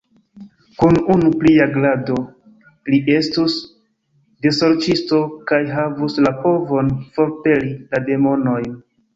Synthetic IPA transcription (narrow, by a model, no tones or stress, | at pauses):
kununupliaɡlado̞ | liʔe̞stus | de̞so̞ɾt͡ʃisto̞kajɦavuslapo̞vo̞nfo̞ɾpe̞lilade̞mo̞no̞jn